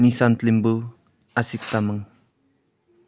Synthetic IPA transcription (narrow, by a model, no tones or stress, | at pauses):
nisant̪limbu | asik̚t̪aməŋ